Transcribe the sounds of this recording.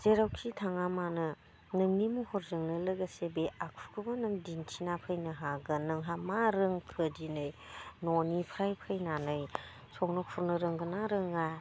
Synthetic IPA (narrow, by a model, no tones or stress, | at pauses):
z̥eɾawkʰitʰaŋamanɯ | nɯmnimuhɔɾzɯŋlɯləɡasebeakʰu̥kʰɯbanɯmdintʰinapʰəjnɯɦaɡɯnɯŋɦamaɾɯŋkʰɯdinɯjnonipʰɾajpʰɯjnanɯj | sʰɔŋnɔpʰuɾnɯɾɯŋɡɯnaɾɯŋa